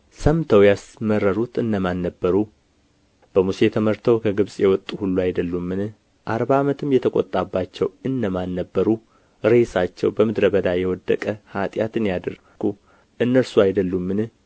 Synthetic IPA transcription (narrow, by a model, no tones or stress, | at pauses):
səmt̪ʰəwjasməɾːəɾut̪ɨndəmanːəbːəɾu | b̥əmuse̞t̪ʰəməɾt̪ʰəwkʰəɡɨβsʼjɛwɔt̪ʼːuhulːuajd̪əlːumːɨn | ʔaɾβaːmət̪ʰɨmjɛt̪ʰəkʼo̰t̪ʼabːat͡ʃːɛwɨndəmanːəbːəɾu | ɾe̞sat͡ʃːɛ̰wbəmɨd̪ɾəbəd̪ajɛwɔd̪ːə̰kʼəhat̪ʼjat̪ɨnjad̪ər | ɡu | ʔɨnːəɾsuajd̪əlːumːɨn